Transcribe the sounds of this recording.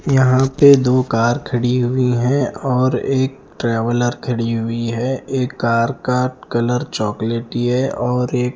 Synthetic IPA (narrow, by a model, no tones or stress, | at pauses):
jɐɦãped̪oːkaːɾkʰɐɽiɦʊiɦɛ̃ɔːɾeːk̚ʈɾɛːʋələɾkʰɐɽiɦʊiɦɛeːkːaːɾkaʈkɐləɾt͡ʃɔːkleːʈiɦɛɔːɾeːk